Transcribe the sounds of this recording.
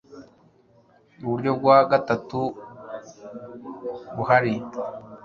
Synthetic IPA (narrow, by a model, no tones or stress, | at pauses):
uβuɾɟo̞b̚ɡwaɡatatu | βuhaɾi